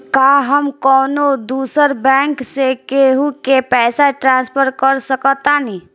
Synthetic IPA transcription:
kaɦəmkɔːnod̪uːsəɾbɛ̃ːŋksekeɦukepɛːsaʈɾãːnspʰəɾkəɾsəkət̪ani

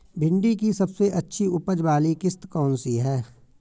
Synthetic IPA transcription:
bʱɪ̃ɳɖikisɐbseʔɐtːʃʰiʊpəd͡ʒbaːlikɪst̪kɔːnsiɦɛː

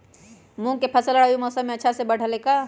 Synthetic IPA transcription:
mũkepʰəsələɽajumɔsəmːẽətːʃʰasebəɽ̤ʱəleka

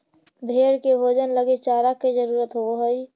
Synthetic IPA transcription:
bʱeɽkebʱoːd͡ʒənləɡet͡ʃaːɾakːed͡ʒəɾuːɾət̪ɦooɦəj

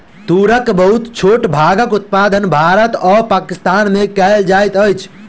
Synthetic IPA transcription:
t̪uɾəkbəɦut̪t͡ʃʰoʈbʱaɡəkut̪̚pad̪ənbʱaɾət̪ɔpakist̪anmekɛld͡ʒajt̪əjt͡ʃʰ

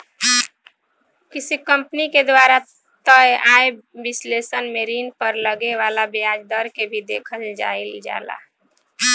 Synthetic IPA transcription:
kisikəmpniked̪waɾa | t̪əjae | bislesənmeɾinpəɾləɡeʋalabiad͡ʒd̪əɾkebʱid̪ekʰəld͡ʒa̰ild͡ʒa̰ːla̰

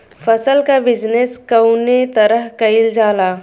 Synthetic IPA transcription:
fʰɐsəlkabɪd͡ʒneskɐʊnet̪ɐɾəɦkɐɪld͡ʒaːlaː

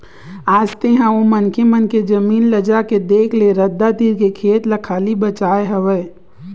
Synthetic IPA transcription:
aːst̪eɦãõmənkemənked͡ʒɐmiːnləd͡ʒaked̪eːkʰleɾəd̪ːad̪iːɾkekʰeːt̪lɐkʰaːlibət͡ʃaːeɦəʋəː

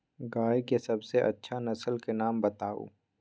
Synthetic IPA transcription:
ɡaːjkesɐbseʔɐ̰tːʃʰanɐsəlkenaːmbɐt̪aːo̰ː

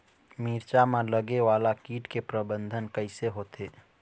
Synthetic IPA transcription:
miːɾt͡ʃamãləɡeʋaːlakiːʈkepɾəbə̃nd̪ʱənkəɪseɦoːt̪ʰeː

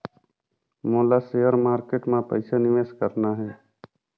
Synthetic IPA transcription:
moːlaseːəɾmaːɾkeːʈmãpə̰ɪsanɪʋeːskəɾnaɦɛː

